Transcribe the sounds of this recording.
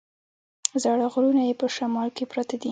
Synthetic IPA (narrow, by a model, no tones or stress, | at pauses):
zɑɽaɣɾunajepəʃamɑlkepɾat̪ad̪i